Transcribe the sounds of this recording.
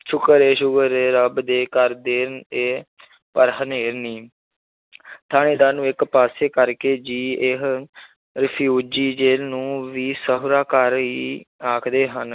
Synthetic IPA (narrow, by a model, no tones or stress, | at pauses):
t͡ʃʰʊkːəɾeːʃʊɡəɾeːɾəbd̪eːkəɾd̪eːɾneː | pəɾɦəneːɾniː | t̪ʰaːneːd̪aːnũːɪkpaːseːkəɾkeːd͡ʒiːɪɦ | ɾəpʰjuːd͡ʒiːd͡ʒeːlnũːʋiːsəɦʊɾaːkəɾɦiːaːkʰd̪eːɦən